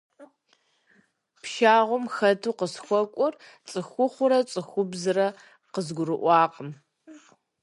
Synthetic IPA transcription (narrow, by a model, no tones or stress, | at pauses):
pʃaːʁʷʊmxɐtʰuːqəsxʷɔkʷʼɔr | t͡sʼɨxʷʊχʷʊɾɐt͡sʼɨxʷʊbzɨɾɐ | qəzɡʷʊrɨʔʷɑːqʼəm